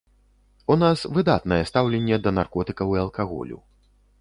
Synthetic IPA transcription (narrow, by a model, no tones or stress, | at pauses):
unasvɨd̪at̪nɐjɛst̪awlʲɛnʲːɛd̪ɐnarkɔt̪ɨkɐwiɐlˠkaɣɔ̰lʲṵ